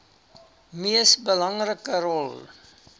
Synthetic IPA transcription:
miəsbəlɐŋrəkəɾɔlˠ

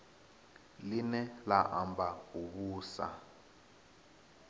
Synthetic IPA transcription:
linɛlaʔambʱauβuːsa̰

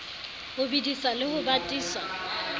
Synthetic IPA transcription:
hʊbidisalɪhʊbatʼiːswa

